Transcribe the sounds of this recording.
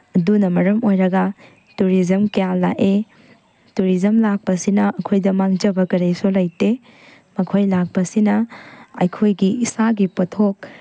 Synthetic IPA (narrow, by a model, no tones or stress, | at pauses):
ɐdunɐmɐɾɐmojɾɐɡɐ | tuɾizɐmkejalːa̰ʔe | tuɾizɐmlak̚pɐsinɐʔɐkʰojdɐmaŋd͡ʒɐbɐkɐɾejsulɐjte | mɐkʰojlak̚pɐsinɐɐ̰jkʰojɡiisaɡipɐtʰok̚